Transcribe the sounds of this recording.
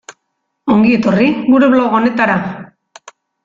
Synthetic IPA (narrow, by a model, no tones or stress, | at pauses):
o̞ŋɡie̞t̪o̞riɡuɾe̞βloɣone̞t̪aɾa